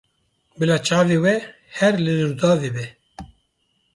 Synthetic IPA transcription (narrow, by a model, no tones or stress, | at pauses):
bɨlaːt͡ʃʰaːveːwɛ | hɛɾlɨd̪ɨɾd̪ɑːveːbɛ